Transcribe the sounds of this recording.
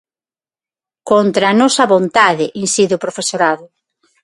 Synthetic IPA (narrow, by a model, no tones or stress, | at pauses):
kont̪ɾɐaːnɔsɐβont̪aðɪʔinsiðeʊpɾofesoɾaðʊ